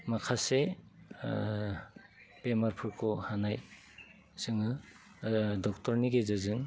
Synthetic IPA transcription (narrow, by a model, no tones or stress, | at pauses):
makʰase | pemaɾpʰɯɾkʰɔhanaj | sɯŋɯ | dɔk̚tɔɾniɡezɯzɯŋ